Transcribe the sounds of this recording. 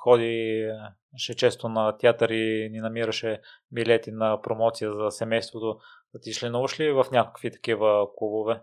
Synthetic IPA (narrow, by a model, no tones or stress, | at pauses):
xɔd̪i | ʃɛt͡ʃɛst̪onɐt̪ʲiat̪əɾininɐmiɾɐʃɛ | bilɛt̪inɐpɾomɔt̪sijəzɐsɛmɛjst̪vot̪o | t̪iʃlɛnuvɐʃlivɐfnʲakokvit̪ɐ̥kivəklˠubovɛ